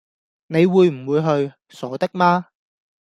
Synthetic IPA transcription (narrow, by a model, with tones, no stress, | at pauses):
ne˨˧jwuː˨˧jm̩˨˩wuː˨˧jɦɵ˧ɥ | sɔː˨˥t̪ɪ˥k̚maː˥